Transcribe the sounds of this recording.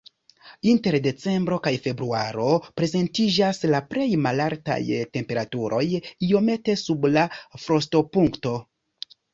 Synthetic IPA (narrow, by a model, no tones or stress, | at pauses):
inte̞ɾde̞t͡se̞mbɾo̞kajfe̞bɾuaɾo̞pɾe̞ze̞ntid͡ʒaslapɾe̞jmalaɾta̰jte̞mpe̞ɾatuɾʔo̞jio̞me̞te̞sublafɾo̞sto̞puŋkto̞